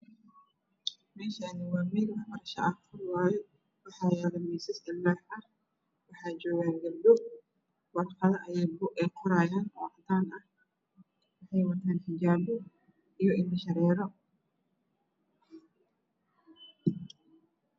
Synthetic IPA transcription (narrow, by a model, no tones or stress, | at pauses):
mɛːʃanɪwaːmɛɡɐbɐɾɐʃɐ̰ʔɐhkʰʊwaːjɛ | wɑħɑːjaːɣɐmiːsɪsɪlːaːħɐ | wɑħɑːd͡ʒɔːɣaːŋɡɐlb̪ʊ | wɐtfɐðɐʔɐjɛjbʊʔɛjqʰɔɾaːjaːnɔ̰ːʕɑd̪aːnɐh | wɑħɑjwɐt̪ʰaːnħɪd͡ʒaːbʊ | ijɔʔɪmɪʃɐɾɛːɾɔ